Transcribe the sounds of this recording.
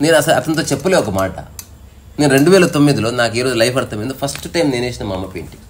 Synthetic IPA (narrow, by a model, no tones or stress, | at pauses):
neːnɐsɐlɐ̰t̪ɐnt̪̬o̞ːt͡ʃepːuleɔkɐmaːʈɐ̰ | neːnuɾe̞ɳɖuʋɛːlɐt̪omːid̪ilo̞ːnaːkiːɾoːd͡ʒulɐjpʰɐɽt̪ɐmeːnd̪upʰɐsʈʈɐjmneːneːsinɐmɐmːɐpḛːɳʈi̥